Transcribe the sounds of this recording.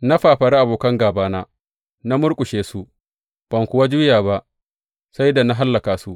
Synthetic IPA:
na˦ɸaː˨ɸɐ˨ɽa˦ʔa˨boː˨kɐ˦ŋɡaː˨baː˦naː˦ | na˦mʊ˦ɾkʷʼʊ˨ʃeː˨su˦ | b̥ɐ˨ŋkʷʊ˨wa˦d͡ʒuː˦jaː˨ba˦ʔ | sa˦jda˨na˦ɦa˦lːɐ˨kaː˨su˦ʔ

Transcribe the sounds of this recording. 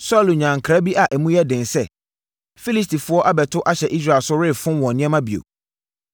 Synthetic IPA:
sɔ˦˨lu˨ɲã˨ŋ̩˨kʰɾa˦bi˦ʔa˨ʔɛ˨mũ˦jɛ˦dɪ̃˨n˨sɛ˦˨ | fi˦li˦s̬ti˨fʊ˨˦ɔ˦ʔa˦bɛ˨tʰʊ˦ʔa˦ɕɛ˨ʔi˦s̬ɾa˦˨lsʊ˦ɾɪ˦˨fʊ̃˦wɔ̃˨nɪ̃˦ɛ̃˦mã˦bi˨o̰˨

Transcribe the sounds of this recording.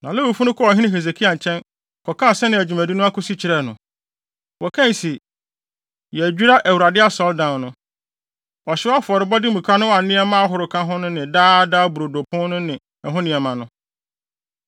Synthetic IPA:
nã˨lɛ˦wu˨fu˦nʊ̃˦kʰɔ˦ɔ˨ɦɪ̃˦nɪ̃˦ɦe˨ze˨kʰi˦a˨ɲ̩˨t͡ɕʰɛ̃˦n | kʰɔ˨kʰã˦˨sɛ˦nɪ̃˨æ˨d͡ʑᶣu˨mæ̃˨di˦nʊ̃˦a˦kʊ˦si˦t͡ɕʰɪ˨ɾɛ˦˨nʊ̃˨ | wɔ˨kʰɛ̃˦n˨si˨ | jɛ˨æ˨d͡ʑᶣu˦ɾa˦ʔæ˨wu˨ɾa˨dɪ˦a˦sɔ˨˦ldã˨nnʊ̃˦ | ɔ˨ɕɪ˦a˦fʊ˨ɔ˨ɾɪ˨bɔ˦dɪ˦mũ˨kʰa˦nʊ̃˦wa˨˦nɪ̃˦ɛ˦mã˦a˦ɦʊ˨ɾʊ˨kʰã˦ɦʊ̃˦nʊ̃˦nɪ̃˨daː˦daː˦bu˨ɾo˨do˨pʰʊ̃˦n˦nʊ̃˦nɪ̃˨ | ɛ˨ɦʊ̃˦nɪ̃˨ɛ˨mã˨nʊ̃˦

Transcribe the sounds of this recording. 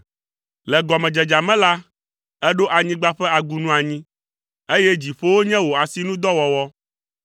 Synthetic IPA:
lɛ˨ɡɔ˨mɛ̃˨d͡ʒɛ˨d͡ʒa˨mɛ̃˦la˦ | ɛ˦ɖo˦ʔa˨ɲĩ˦ɡ͡ba˦ɸɛ˦a˨ɡu˨nũ˦a˨ɲĩ˦ | e˦jɛ˦d͡ʑi˨ɸo˦wo˦ɲɛ̃˦wo˨a˨si˦nũ˦d̪ɔ˦wɔ˨wɔ˦

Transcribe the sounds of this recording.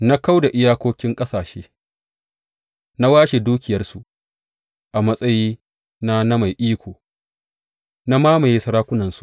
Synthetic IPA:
na˦ka˦wda˨ʔɪ˦jaː˦kʷoː˦kʲɪ˦ŋkʼɐ˦saː˨ʃeː˦ | na˦waː˦ʃe˨duː˦kʲɪ˨jɐ˦rsu˨ʔ | ʔa˨mɐ˦sʼɐ˦jiː˦ | na˦na˦ma˨jʔiː˦kʷoː˨ | na˦maː˦ma˨jeː˦sɐ˦ɾaː˦kʷʊ˦nɐ˨nsu˨ʔ

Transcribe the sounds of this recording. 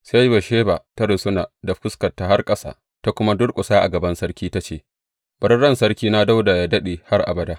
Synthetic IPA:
sa˦jba˨ʃeː˦ba˨ta˦ɾʊ˨sʊ˦naː˨da˨ɸʊ˦skɐ˨tːa˨ha˦rkʼɐ˦sa̰ː˨ | ta˦kʷʊ˦ma˦dʊ˦rkʷʼʊ˨saː˦ʔa̰˨ɡɐ˨bɐ˦nsɐ˦rkʲiː˦ta˦t͡ʃeː˦˨ | b̥ɐ˦ɾɽɐ˦nsɐ˦rkʲiː˦na˦da˦wda˨ja˦dɐ˦ɗeː˨ha˦rʔa̰˨bɐ˨da˦ʔ

